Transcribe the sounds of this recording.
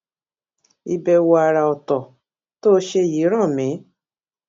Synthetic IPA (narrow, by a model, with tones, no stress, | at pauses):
i˧bɛ˧wo˧a˧ɾa˨ɔ˨tɔ˨ | to˦ʃe˧ji˨˦ɾ̃ã˦˨mĩ˨˦